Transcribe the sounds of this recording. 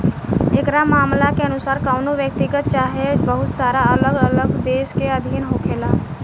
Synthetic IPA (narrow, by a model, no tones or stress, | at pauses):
ekɾamaːmlakeənʊsaːɾkaːʊnoʋjək̚t̪ɪɡət̪̚t͡ʃaːɦebəɦʊt̪saːɾaələɡələɡd̪eːʃkeəd̪ʱiːnɦoːkʰeːlaː